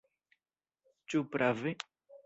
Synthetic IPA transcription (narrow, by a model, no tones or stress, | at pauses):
t͡ʃupɾave